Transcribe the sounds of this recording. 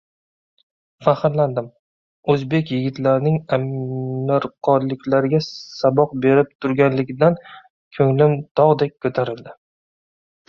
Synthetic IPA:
faχɾland̪ɪm | ɵzbe̞kʲjɪɡʲɪt̪laɾɪnɪŋamɪɾqʰɒɾlɪkʲlaɾɪɡʲasabɒq̚be̞ɾɪp̚t̪ʰʊɾɡʲanlɪɡʲɪd̪an | kʰɵŋlɪmt̪ʰɒʁd̪ek̚ʲkʰːɵt̪ʰaɾɪld̪ɪ

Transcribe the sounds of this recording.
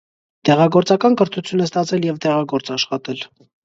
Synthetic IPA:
t̪ɛʁɑɡɔɾt͡sɑkɑnkəɾt̪ʰut͡sʰjunɛst̪ɑt͡sʰɛljɛvt̪ɛʁɑɡɔɾt͡sɑʃχɑt̪ɛl

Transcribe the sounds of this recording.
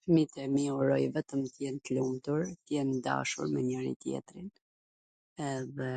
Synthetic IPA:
mit̪ɛmiɔɾɔjvɛt̪əmt̪jɛnt̪əlumt̪uɾt̪əjɛnd̪a̰ʃṵɾmɛɲəɾḭt̪jɛ̰t̪ɾin | ɛðɛ

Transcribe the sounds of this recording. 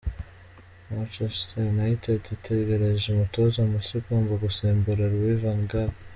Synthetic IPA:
mat͡ʃestʰenaitʰetitʰeɡe̞ɾeʒeumutozamusikumvaɡuseːmbuɾaɾwivaŋɡaɾ

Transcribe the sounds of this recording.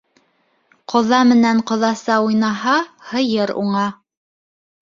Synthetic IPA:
qŏðɑmɘ̆næɴqŏðɑsɑujnɑɦɑhɤ̆jɤɾṵɴɑ

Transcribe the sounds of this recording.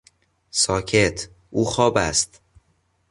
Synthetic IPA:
sɒːcʰet̪ʰ | ʔuːxɒːbæ̰st̪

